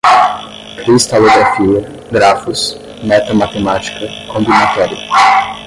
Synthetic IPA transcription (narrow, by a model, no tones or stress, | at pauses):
kɾist̪aloɡɾafiɐ | ɡɾafʊs | mɛt̪ɐmat̪emat͡ʃi̥kɐkõmbinat̪ɔɾiɐ